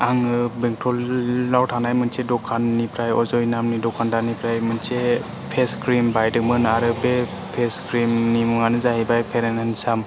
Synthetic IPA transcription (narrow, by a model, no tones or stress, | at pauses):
aŋɯbeŋtʰɾɔlːawtʰanajmɯnsedɔkʰanːipʰɾajɔzɔjnamnidɔkʰandanipɾajmɯnse | pʰeskɾimbajdɯkmɯnaɾɯbe | pʰeskɾimnimuŋanɯzaɦibajpʰeɾenɯnsam